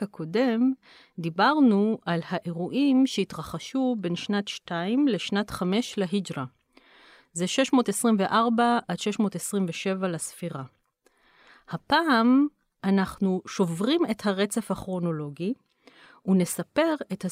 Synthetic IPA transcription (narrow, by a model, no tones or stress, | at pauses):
akʰo̞de̞m | d̪ibaʁnuʔalhaʔe̞ʁuʔimʃeitʁaχaʃube̞nʃnatʃtaimle̞ʃnatχame̞ʃleɦid͡ʒʁa | zeʃe̞ʃmo̞ːtesʁimveʔaʁbaadʃe̞ʃmo̞ːtesʁimveʃevalasfiʁa | hapaːm | ʔanaχnuʃo̞vʁime̞thaʁe̞t͡se̞fhaχʁo̞no̞lo̞ɡi | une̞sape̞ʁe̞tha